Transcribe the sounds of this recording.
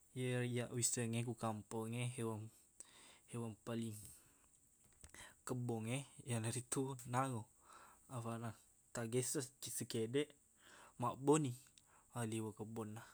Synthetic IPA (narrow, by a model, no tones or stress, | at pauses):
jəjaʔwisəŋek̬ukampɔŋeɦewam | hewaŋpaliŋ | kəbɔŋejanaɾit̪unaŋo | afana | t̪aɡesət͡ʃisəkedɛʔ | maʔbɔni | aliwəkəbɔnːah